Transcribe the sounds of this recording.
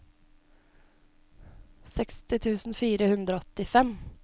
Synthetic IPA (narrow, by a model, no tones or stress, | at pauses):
sɛkst̪ɪt̪ʰʉːsn̩fiːɾəhʉnd̪ɾəɔt̪ɪfɛm